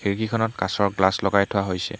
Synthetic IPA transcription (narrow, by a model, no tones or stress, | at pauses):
xiɹkikʰɔnɔtkasɔɹɡlaslɔkajtʰʊwaɦojsɛ̰